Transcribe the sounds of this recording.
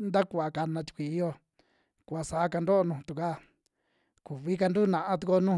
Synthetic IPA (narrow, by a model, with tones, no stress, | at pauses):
nd̪a˦ku˧a˨ka˧nã˧t̪u̥˧kʷi˨i˧˦jo˦ | ku˨a˧sa˨˦ka˧nd̪o˦o˧nũː˧t̪u˨ka˦ | ku˨βi˦ka˧nd̪u˦˨nã˧ʔã˧t̪u˧ko˧nũ˦